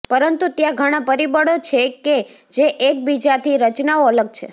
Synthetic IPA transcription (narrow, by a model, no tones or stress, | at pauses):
pəɾənt̪ut̪jãɡʱəɽ̃ãpəɾibəɽot͡ʃʰeked͡ʒeʔek̚bid͡ʒat̪ʰiɾət͡ʃnaoələɡt͡ʃʰḛ